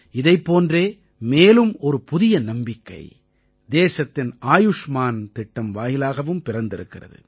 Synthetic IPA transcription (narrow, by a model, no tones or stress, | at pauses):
ɪðɐɪpːoːndreː | meːlɯmɔɾɯpʊðɪjɐnɐmbɪkːɐ̰ɪ | d̪eːsɐt̪ːɪnʔaːjʊʂmaːnt̪ɪʈːɐmʋaːjɪlaːɣɐʋɯmpɪrɐnd̪ɪɾɯ̰kːɪrɐ̰ðɯ̰